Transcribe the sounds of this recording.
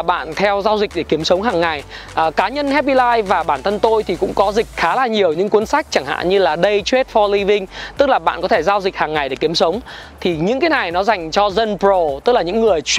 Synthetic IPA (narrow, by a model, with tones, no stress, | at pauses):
ɓa̰ː˧˨nt̪ʰɛ˧wzaː˧wzï˨˩k̚ɗe˧˩ki˨˦əmsə˨˦wŋ͡mɦaː˨˩ŋːa˨˩j | ʔəː˨˩kaː˨˦ɲə˧nhɛ˦˥p̚i˧laː˧jvaː˨˩ɓaː˧˩nt̪ʰə˧nt̪o˧jt̪ʰi˨˩kʊ̰˧˥ŋ͡mkɔ˨˦zï˨˩k̟̚xaː˨˦laː˧ɲi˨˩əwɲɨ̰˧˥ŋku˨˦ənsa˦˥jk̟̚t͡ɕa˧˩ŋha̰ː˧˨ɲɨ˧laː˨˩ɗə˧jt͡ɕwe˦˥t̚fɔ˧li˧vï˧ŋ̟t̪ɨ˦˥k̚laː˨˩ɓa̰ː˧˨nkɔ˨˦t̪ʰe˧˩zaː˧wzi˨˩k̟̚haː˨˩ŋːa˨˩jɗe˧˩ki˨˦əmsə˨˦wŋ͡mt̪ʰi˨˩ɲɨ̰˧˥ŋkaː˨˦jna˨˩jnɔ˨˦za˨˩jŋ̟t͡ɕɔ˧zə˧npzo˨˩t̪ɨ˦˥k̚laː˨˩ɲɨ̰˧˥ŋːɨ˨˩əjt͡ɕ